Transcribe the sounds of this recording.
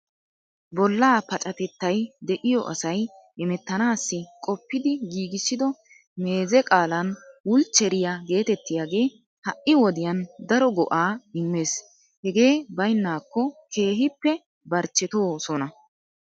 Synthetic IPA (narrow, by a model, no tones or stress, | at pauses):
bɔlːaːpɐt͡ʃʼɐt̪ɛt̪ːɐjd̪ɛʔɪjɔʔɐ̰sɐj | ɛmɛt̪ːɐnaːsːɪkʼɔpːɪd̪ɪɡiːɡɪsːɪd̪ɔ | me̞ːzɛkʼaːlɐnwʊlt͡ʃːɛɾɪjaɡe̞ːt̪ɛt̪ːɪjaːɡe̞ː | hɐʔɪwɔd̪ɪjɐnd̪ɐɾɔɡɔʔaːɪmːe̞ːs | hɛɡe̞ːbɐjnːaːkːɔkʰe̞ːɦɪpːɛ | bɐɾt͡ʃːɛt̪o̞ːsɔnɐ